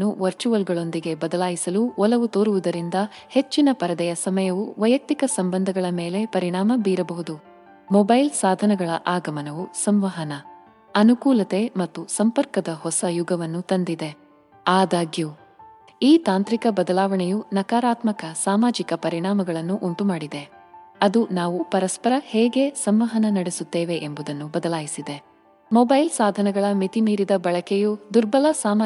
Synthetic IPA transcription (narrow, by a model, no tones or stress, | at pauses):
uʋɐɾt͡ʃuʋɐlɡɐɭo̞nd̪iɡe̞bɐd̪ɐlaːjisɐluʋɔlɐʋut̪oːɾuʋud̪ɐɾind̪ɐhe̞t͡ʃːinɐpɐɾɐd̪ɐjɐsɐmɐjɐʋuʋɐjɐk̚t̪ikɐsɐmbɐnd̪ʱɐɡɐɭɐme̞ːle̞pɐɾiɳaːmɐbiːɾɐbɐɦud̪u | mɔbɐjlsaːd̪ʱɐnɐɡɐɭɐʔaːɡɐmɐnɐʋusɐmʋɐɦɐnɐ | ɐnukuːlɐt̪e̞mɐt̪ːusɐmpɐɾkɐd̪ɐɦɔsɐjuɡɐʋɐnːut̪ɐnd̪id̪e̞ | aːd̪aːɡju | iːt̪aːnt̪ɾikɐbɐd̪ɐlaːʋɐɳɛjunɐkaːɾaːt̪mɐkɐsaːmaːd͡ʒikɐpɐɾiɳaːmɐɡɐɭɐnːuʔuɳʈumaːɽid̪e̞ɐd̪unaːʋupɐɾɐspɐɾɐheːɡe̞sɐmʋɐɦɐnɐnɐɽesut̪ːeːʋe̞ʔembud̪ɐnːubɐd̪ɐlaːjisid̪e̞ | mɔːbɐjlsaːd̪ʱɐnɐɡɐɭɐmit̪imiːɾid̪ɐbɐɭɐkejud̪uɾbɐlɐsaːmaː